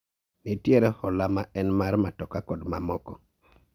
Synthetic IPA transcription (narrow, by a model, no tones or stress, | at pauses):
nitjeɾɛhɔlamaʔɛnmarmatɔkakɔdmamɔkɔ